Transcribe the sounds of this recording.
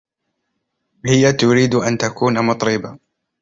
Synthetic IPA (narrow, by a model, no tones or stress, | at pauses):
hɪjat̪ʊɾiːd̪ʔant̪akuːnamʊt̪ˤɾɪba